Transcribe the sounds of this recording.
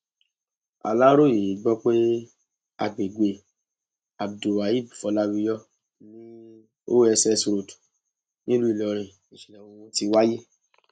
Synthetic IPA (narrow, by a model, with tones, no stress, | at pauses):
a̰˨la˦ɾo˦˨je˨˦ɡ͡bɔ˦k͡pe˦ | a̰˨ɡ͡be˨ɡe˨ | a˨bdu˨wa˨ji˦˨bfɔ˨˧˦la˦wi˦˧˦jɔ˦ | nĩ˦ | o˦ɛ˧sɛ˧su˧ɾo˨tu̥˨ | nĩ˦lu˦i˦˨lɔ˨ɾ̃ĩ˨ | ĩ˨ʃĩ˨ɛ̃˨wõ˧wũ˧˦ti˧wa˦je˦